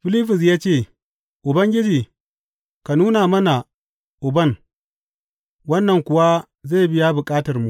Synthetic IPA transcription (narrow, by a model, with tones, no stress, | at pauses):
ɸɪ˦li˦ɸɪ˨s̬jaː˦t͡ʃeː˦˨ | ʔʊ˨bɐ˦ŋɡʲɪ˦d͡ʒiː˨ | ka˨nuː˦na˨mɐ˦na˨ | ʔʊ˨bɐ˦˨ŋ | wɐ˦nːɐ˨ŋkʷʊ˨wa˦ | zeː˦˨bɪ˦ja˦bʊ˨kʼaː˦tɐ˨rmu˨ʔ